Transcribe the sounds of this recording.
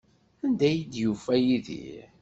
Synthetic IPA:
ænd̪æjid̪jufæjiðḭ

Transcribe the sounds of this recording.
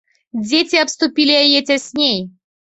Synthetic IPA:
dʲetʲɪɐpst̪ʊpʲilʲɪɐjetʲɐsʲnʲej

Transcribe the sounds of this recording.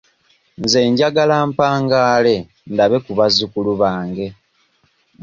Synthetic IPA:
nze̞ːɲɟaɡalaːmpaːŋɡaːle̞ | ndaβe̞kuβazukuluβaːŋɡe̞

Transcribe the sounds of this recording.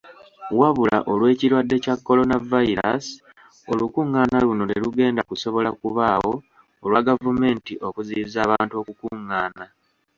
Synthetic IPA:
waβula̰ʔo̞lwe̞ːciɾwadːe̞cakːo̞lo̞navaiɾa̰si̥ | o̞lukuŋːaːnaluno̞leluɡe̞ːndakuso̞βo̞lakuβaːwo̞ː | lwaɡavume̞ːntiʔo̞kuzizaːβaːntuo̞kukuŋːaːna

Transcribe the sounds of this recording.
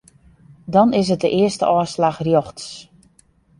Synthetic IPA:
dɔnɪs̬ɦət̚dəʔɪəstə̰ʔɔːslaxrjoxts

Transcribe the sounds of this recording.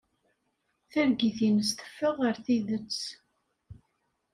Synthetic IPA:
θæɾɡiθinəst̪ə̥fːəʁəɾθiðət͡sː

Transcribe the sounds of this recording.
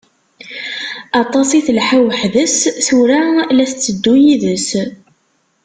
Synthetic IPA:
ɑt̪ˤɑsiθlħawəħðəsθuɾalæst͡sːəd̪ːujiðəs

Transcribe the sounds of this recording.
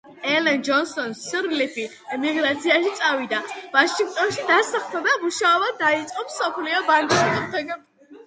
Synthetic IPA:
ɛlɛnd͡ʒɔnsɔnsɾlipʰi | ɛmiɡɾat̪sʰiaʃit̪sʼavid̪avaʃĩŋkt̪ʼɔnʃid̪asaχt̪ɔd̪amuʃaɔbad̪ait̪sʼqʼɔpsɔpʰliɔbaŋɡiikɔmt̪ʰɛɡɛ

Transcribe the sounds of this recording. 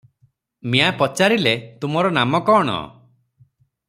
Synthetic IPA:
miapɔt͡ʃaɾilet̪umɔɾɔnamɔkɔːɽ̃ɔ̰

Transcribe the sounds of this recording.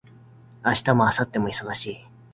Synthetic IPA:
aɕi̥t̪amo̞asat̪ːe̞mo̞iso̞ɡaɕiː

